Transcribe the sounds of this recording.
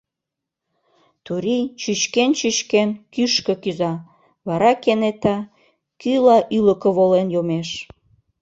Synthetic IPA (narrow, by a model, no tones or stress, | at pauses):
t̪uɾit͡ɕyt͡ɕkent͡ɕyt͡ɕkenkyʃkə̆kyzɑ | βɑɾɑkenet̪ɑ | kylɑʔyləkə̆βolenjomeʃ